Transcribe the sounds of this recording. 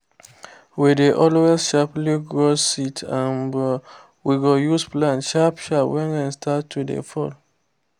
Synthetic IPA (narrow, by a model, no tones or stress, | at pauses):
wideʔɔlwɛʃapliɡɹositʰãnb | wiɡojusplãnʃapʃawɛ̃nãnstʰatʰːudḛfɔl